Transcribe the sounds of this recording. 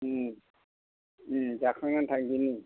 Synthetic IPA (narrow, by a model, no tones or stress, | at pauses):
zakʰaŋantʰakɡini